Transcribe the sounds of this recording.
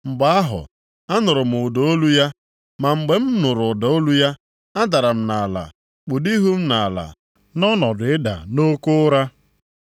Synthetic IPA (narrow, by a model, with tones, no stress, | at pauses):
ŋ͡m̩˨ɡ͡ba˨a˦ɦʊ̰˨ | a˦nʊ˨ɾʊ˨m̩˨ʊ˨do˨o˦lu˦ja˦ | ma˨ŋ͡m̩˨ɡ͡be˨m̩˦nʊ˨ɾʊ˨dɔ˨˦o˦lu˦ja˦ | a˦da˨ɾa˨m̩˨na˨la̰˨ | k͡pu˨di˦ɦu˦m̩˦na˨la̰˨ | nɔ˦nɔ˨dʊ˨˦ɪ˦da̰˨no˦kʊ˦ɾa˦